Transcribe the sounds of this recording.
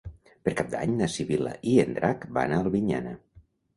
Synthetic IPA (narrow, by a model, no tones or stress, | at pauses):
pəɾkap̚d̪a̰ɲnəsiβilə̰ʔiend̪ɾʔakba̰naəlˠβiɲa̰nə̰